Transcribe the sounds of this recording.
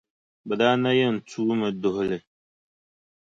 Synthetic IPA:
bɛ˨daː˦na˦jɛ˦˨n̩˨tʰuː˦mɨ˨dʊ˨hʊ˨lɨ˨

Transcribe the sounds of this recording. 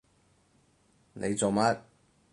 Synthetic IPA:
nʔe˨˧jt͡so˨wmɐ˦˥t̚

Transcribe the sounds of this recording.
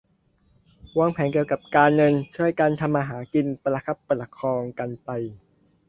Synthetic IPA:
waː˧˩ŋpʰɛː˩˦nki˨˩əwka˨˩p̚kaː˧nːɤ˧nt͡ɕʰu˥˩əjkaː˧nt̪ʰa˧mʔaː˧ɦaː˩˦ki˧npla˧kʰa˦˥˩pːla˧kʰɔː˧ŋka˧npa˧j

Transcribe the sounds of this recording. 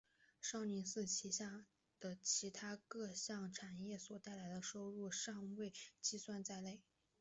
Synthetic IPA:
ʂɑ˥˩ʊni˧˥nsɹ̩˥˩t͡ɕʰi˧˥ɕja˥˩ | d̪̥ə˩t͡ɕʰi˧˥t̪ʰa˥kɤ˥˧ɕjɑ˥˩ŋʈ͡ʂʰa˨˩njɛ˥˩swɔ˨˩t̪a˥˩ɪla˧˥ɪd̪ə˧ʂo˥ʊɻu˥˧ʂɑ˥˧ŋwe˥˩ɪt͡ɕi˥˧swa˥˧nt͡sa˥˧ɪle˥˩ɪ

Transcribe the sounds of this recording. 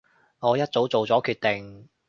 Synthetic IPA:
ŋɔː˨˧jɐ˥t̚t͡so˨˥wt͡so˨wt͡sɔː˨˥kʰyː˧t̚t̪e˨ŋ

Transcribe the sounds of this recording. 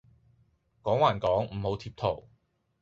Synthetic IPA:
kɔː˨˥ŋwaː˨˩nkɔː˨˥ŋm̩˨˩ho˨˧wt̪ʰiː˧p̚t̪ʰo˨˩w

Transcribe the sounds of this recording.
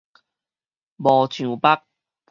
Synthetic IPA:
mɔː˨˩t͡ɕʰy˨˩pa˦˥k̚

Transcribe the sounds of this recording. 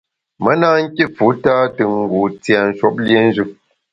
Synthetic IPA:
mə˦naː˦ŋ̩˦kʲi˦fu˨˦taː˦tɨ˨ŋ˦ɡu˨t͡sja˨n̩˨ʃɔ˦p̚lje˦n̩˦d͡ʒɨ˨p̚

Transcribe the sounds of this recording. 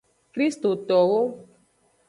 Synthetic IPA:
kɾi˦st̪o˨t̪ɔ˨ɣo˦

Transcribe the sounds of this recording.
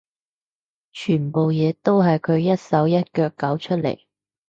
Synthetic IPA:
t͡ʃʰyː˨˩npo˨wjɛː˨˧t̪o˥wɦɐ˨jkʰɵ˨˧ɥjɐ˥t̚sɐ˨˥wjɐ˥t̚kœː˧kːɐ˨˥wt͡ʃʰɵ˥t̚lḛ˨˩j

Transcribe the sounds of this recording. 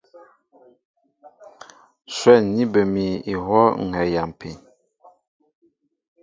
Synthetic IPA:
swɛ˦˨ɲi˦bə˨mi˨i˨hwɔ˦ŋ̩˨ɛ˨ja˨m˨pʰi˨ɲ

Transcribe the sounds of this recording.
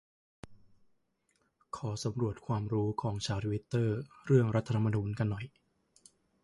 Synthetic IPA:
kʰɔː˩˦sa˩˦mɾu˨˩ət̪̚kʰwaː˧mɾuː˦˥kʰɔː˩˦ŋt͡ɕʰaː˧˥wt̪ʰu˧wi˦˥t̪ːɤː˥˩ɾɯ˥˩əŋɾa˦˥t̪ʰːtʰa˧mːa˧nuː˧nka˧nːɔ˨˩j

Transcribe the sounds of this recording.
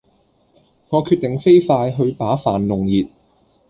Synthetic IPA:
ŋɔː˨˧kʰyː˧t̚t̪ɪ˨ŋfe˥jfaː˧jɦɵ˧ɥpaː˨˥faː˨nlʊ˨ŋjiː˨t̚

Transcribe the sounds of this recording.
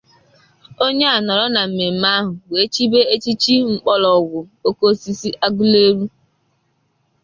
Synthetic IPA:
o˦ɲe˦a˨nɔ˨ɾɔ˦na˨m̩˨me˨m̩˨ma˦ɦʊ˨we˨˦t͡ʃi˦be˦e˦t͡ʃi˦t͡ʃi˦ŋ͡m̩˦k͡pɔ˦lɔ˨ɡʷʊ˨o˦ko˦si˦si˦ʔa˦ɡʊ˦le˦ɾu˦

